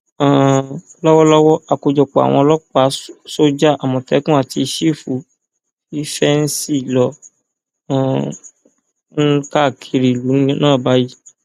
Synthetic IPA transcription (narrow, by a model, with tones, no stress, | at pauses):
a˨lɔ˦wɔ˦lɔ˦wɔ˦a˨ko˧˨d͡ʒɔ˨k͡pɔ˨a̰˨w̃ɔ̃˧ɔ˧lɔ˦k͡pa˨˦so˦d͡ʒa˦ʔa˨mɔ̃˨tɛ˦kũ˦a˦˨ti˧ʃi˦˨fu˨˦ | i˦fɛ˦n̩˦si˦˨lɔ̃˧˦˨ | n̩˦ka˦˨kʰi˧ɾi˨lu˨˦ñ˦nãː˦˨ba˨˦ji˦